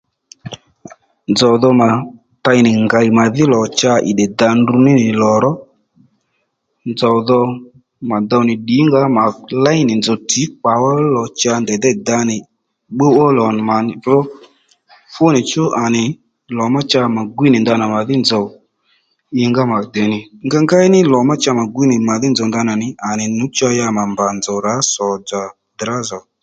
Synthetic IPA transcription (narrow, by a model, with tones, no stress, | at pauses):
nd͡zɔ˨ðɔ˧ma˨ | ta˧ɪ˨nɪ˨ŋɡa˨i˨ma˨ðɪ˦lɔ˨t͡ʃa˧ʔɪ̰˨ɗɛ˨da˨ndu˧nɪ˦nɪ˨lɔ˨ɾɔ˦ | nd͡zɔ˨wðɔ˧ | ma˨d̪ɔ˧˨nɪ˨ɗi˨˦ŋɡa˦ma˨la˦jnɪ˨nd͡zɔ˨ti˨˦k͡pa˨wɔ˦lɔ˨t͡ʃa˧ndɛ˨d̪ɛ˦da˧nɪ˨ | ɓo˦wɔ˦lɔ˨n˨ma˨n˨vɔ˦ | fʊ˦nɪ˨t͡ʃʊ˦ʔa˨nɪ˨ | lɔ˨ma˦t͡ʃa˧ma˨ɡwi˦nɪ˨nda˧na˨ma˨ðɪ˦nd͡zɔ˨w | ɪ˧ŋɡa˦ma˨dɛ˨nɪ˨ŋɡa˧ŋɡa˦i˦nɪ˦lɔ˨ma˦t͡ʃa˧ma˨ɡwi˦nɪ˨ma˨ðɪ˦nd͡zɔ˨nda˧na˨nɪ˨a˨nɪ˨nu˨˦t͡ʃa˧ja˧ma˨mba˨nd͡zɔ˨ɾa˨˦sɔ˨d͡za˨ | dɾa˦zɔ˨